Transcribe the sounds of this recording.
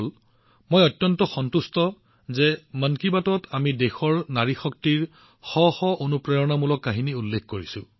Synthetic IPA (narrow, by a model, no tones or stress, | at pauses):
l | mojɔtːjɔntɔxɔntustɔ | zemənkibatɔtʰamidexɔɹnaɹixɔk̚tiɹ | xɔxɔʔonupɹejɔnamulɔkːaɦiniulːekʰkoɹisʊ̃